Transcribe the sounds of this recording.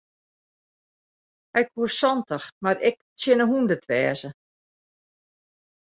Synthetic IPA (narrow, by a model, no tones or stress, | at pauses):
hɛjkhuəsɔntəxmaɾɪk̚ | sjɪnəɦundətʰʋɛːzə